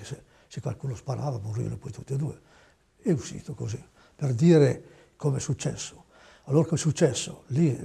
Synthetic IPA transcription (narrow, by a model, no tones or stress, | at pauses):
ese | sekwa̰lkuːnospaɾʔaːvamorḭa̰nopɔjt̪ut̪ːed̪uːe | ɛuʃḭːt̪okozi | perd̪iːɾe | komɛsut͡ʃːɛsːo̥ | alːoːɾakomɛsut͡ʃːɛsːoli